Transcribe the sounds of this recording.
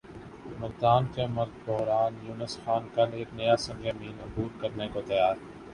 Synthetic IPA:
mɐɾd̪aːnkemɐɾɡ̪̚bɔɦɾaːnjuːnəsxaːnkɐleːknɐjasɐ̃ŋɡemiːnʊbuːlkɐɾnekot̪ɐjaːɾ

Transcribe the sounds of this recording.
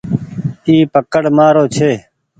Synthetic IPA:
iːpəkəɽmaːɾoːt͡ʃʰeː

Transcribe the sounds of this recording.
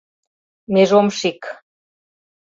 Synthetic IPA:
meʒomʃik

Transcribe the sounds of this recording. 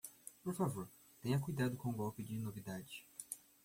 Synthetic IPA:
poɾfavoɾ | t̪ẽj̃ɐk̬ujd̪ad̪ʊkõɡɔwpɪd͡ʒɪnovid̪ad͡ʒɪ

